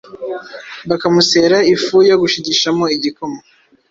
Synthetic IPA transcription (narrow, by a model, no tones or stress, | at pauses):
bakamuse̞ɾaifujoɡuʃiɟiʃamo̞iɟikomo